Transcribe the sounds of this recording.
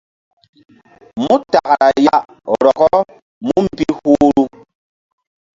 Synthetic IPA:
mu˦ta˨kɾa˨jaa˦ʔ | ɔ˨ɾɔ˨ɣɔ˦ | mu˦m̩˨bi˦hu˦ɾu˦

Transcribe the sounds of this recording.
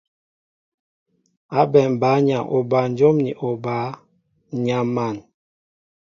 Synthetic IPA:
a˨˦bɛ˨m˨ba˨˦ɲa˨ŋʔo˨ba˨n˦d͡ʒo˦mni˨ʔo˨ba˨˦ | ɲa˨ma˨n

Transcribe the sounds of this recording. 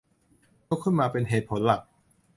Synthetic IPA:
ka˧˥wkʰɯ˥˩nmaː˧pe˧nɦeː˨˩t̪̚pʰo˩˦nla˨˩k̚

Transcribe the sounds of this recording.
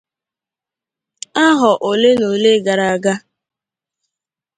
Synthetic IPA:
a˦ɦɔ˨ʔo˨le˦no˨le˦ɡa˨ɾa˨a˨ɡa˦

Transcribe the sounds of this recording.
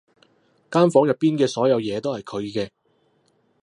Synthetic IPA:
kaː˥nfɔː˨˥ŋjɐ˨˩pːiː˥nkɛː˧sɔː˨˥jɐ˨˧wjɛː˨˧t̪o˥whɐ˨jkʰɵ˨˧ɥkɛː˧

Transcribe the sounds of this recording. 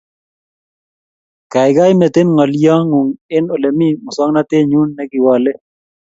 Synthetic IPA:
ka˨jɡa˦jmɛ˨t̪e˦nŋɔ˨lja˦ŋu˨ŋɪ˦no˨le˨mi˦mʊ˨swɔ˦ŋna˦t̪e˦ɲu˦nːɛ˦ɡɪ˨wa˨lɛ˦

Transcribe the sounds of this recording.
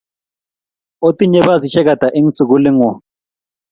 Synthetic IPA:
o˦tʼi˦ɲɛ˦βa˦zi˨ʃɛ˦ka˨d̥ʱa˨ʔe˦ŋ̩t͡sʰʼi˨ku˦li˦ŋɔ˨

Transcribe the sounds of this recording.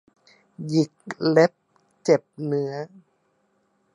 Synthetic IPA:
ji˨˩k̚le˦˥p̚ | t͡ɕe˨˩p̚nɯ˦˥ɐ

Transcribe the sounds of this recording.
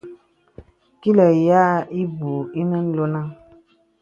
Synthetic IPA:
ki˦lə˨ja˦i˦bu˨i˦nə˦n̩˦lo˦nã˦

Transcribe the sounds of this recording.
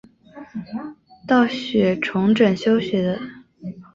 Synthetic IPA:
t̪ɑ˥˩ʊɕɥɛ˨˩ʈ͡ʂʰʊ˧˥ŋʈ͡ʂə˨˩nɕjo˥ʊɕɥɛ˧˥d̪ə˧

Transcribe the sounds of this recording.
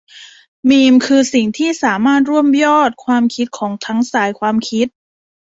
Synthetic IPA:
miː˧mkʰɯː˧si˨˩ŋt̪ʰiː˥˩saː˩˦maː˥˩t̪̚ɾu˥˩əmjɔː˥˩t̪̚kʰwaː˧mkʰi˦˥t̪̚kʰɔː˩˦ŋt̪ʰa˦˥ŋsaː˨˩˦jkʰwaː˧mkʰi˦˥t̪̚

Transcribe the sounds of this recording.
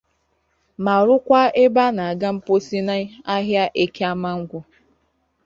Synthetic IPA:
ma˨ɾʊ˦kʷa˦e˦ba˦na˨a˨ɡa˦m̩˦po˦si˦na˦a˦ɦja˦ʔe˦ke˦a˦ma˦ŋ̩˦ɡʷʊ˦

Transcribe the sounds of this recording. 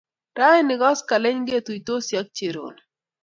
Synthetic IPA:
ɾa˦ɛ˦nɪ˨ɡɔ˦ska˨le˦ɲɡe˦t̪u˨i˨t̪o˦sja˦k̚t͡ʃe˨ɾo̰˨n

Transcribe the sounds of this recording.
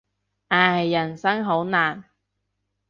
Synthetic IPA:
ʔaː˨˩˨jɐ˨˩nsɐ˥ŋɦo˨˥wnaː˨˩n

